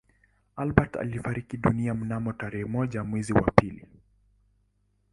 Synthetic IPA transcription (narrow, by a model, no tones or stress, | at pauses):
alɓata̰lifaɾikiɗuniam̩namɔtaɾɛhɛmɔʄamwɛziwa̰pilḭ